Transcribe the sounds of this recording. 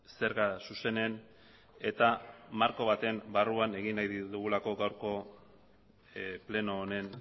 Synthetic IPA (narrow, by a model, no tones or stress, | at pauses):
se̞ɾɣasuse̞ne̞n | e̞t̪amaɾko̞β̞at̪e̞mbaruane̞ɣinajðit̪uɣulako̞ɡawɾko̞ | ple̞no̞ːne̞n